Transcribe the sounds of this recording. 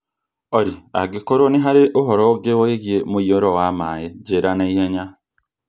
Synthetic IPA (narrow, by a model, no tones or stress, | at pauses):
oɾia̰ɡikoɾoniɦaɾeʔoɦoɾoɡewoeɣjemojoɾowamaːjeɟeɾanaiheɲa